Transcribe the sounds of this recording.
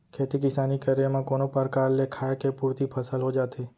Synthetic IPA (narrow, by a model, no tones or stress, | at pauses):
kʰet̪ikɪsanikəɾjamãkonopəɾkaɾlekʰajkepuɾt̪ipʰəsəlɦod͡ʒat̪ʰe